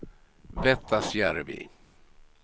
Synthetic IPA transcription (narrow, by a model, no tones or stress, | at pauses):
vɛt̪ʰːasjæɾvḭ